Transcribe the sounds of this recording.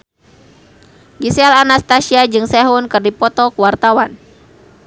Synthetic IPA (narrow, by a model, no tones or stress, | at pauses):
ɡisialanast̪asiad͡ʒɨŋsɛɦunkɨrdipɔt̪ɔkuwart̪awan